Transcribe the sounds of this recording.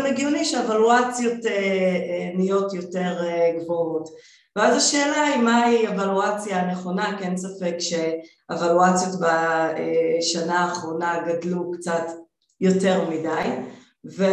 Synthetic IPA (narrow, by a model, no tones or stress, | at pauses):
meɡiuliʃeevaluat͡sjo̞te | nijo̞tjo̞te̞ʁɡvoot | veazaʃe̞ːlaimaievaluat͡sjaneχo̞nakensafekʃe̞ | evaluat͡sjo̞tbaeʃanaːχʁo̞naɡadlukt͡sat | jo̞te̞ʁmidaj | ve